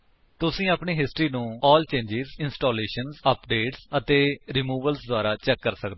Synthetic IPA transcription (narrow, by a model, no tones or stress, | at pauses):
t̪ʊsĩːaːpɳiːɦɪsʈɾiːnũːɔːlt͡ʃẽːɲd͡ʒɪzɪnsʈoːleːʃənzəpɖeːʈsət̪eːɾɪmuːʋəlsd̪oʊaːɾaːt͡ʃɛːkːəɾsəkd̪